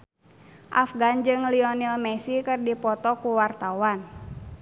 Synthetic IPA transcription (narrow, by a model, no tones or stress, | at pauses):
ʔa̰fɡand͡ʒɨŋliɔnilmɛsikɨrdipɔt̪ɔkuwart̪awan